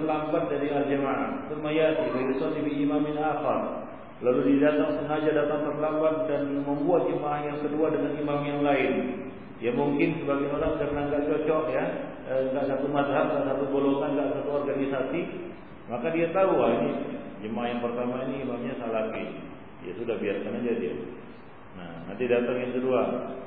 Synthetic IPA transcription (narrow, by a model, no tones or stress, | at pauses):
lambat̪̚daɾiald͡ʒəmaʔa̰t̪ʊmajat̪ibiɾit̪at̪ifiimamjaŋaxar | laludidat̪aŋsəŋad͡ʒadat̪aŋt̪ərlambat̪̚danməmbuat̪̚d͡ʒəmaʔahjaŋkəduadəŋanimamjaŋlaɪn | jamuŋkɪnsəbaɡaoɾaŋkaɾənaŋɡaʔt͡ʃɔt͡ʃɔʔja | ŋɡaʔsat̪umasɦat̪̚ɡaʔsat̪ubolosaŋɡaʔsat̪uɔrɡanisasi | makadiat̪auanija̰d͡ʒəmaahjaŋpərt̪amainiːmamɲasalakɪ | ija̰sudahbiarkanad͡ʒadia̰ | na̰hna̰nt̪idat̪aŋjaŋsədua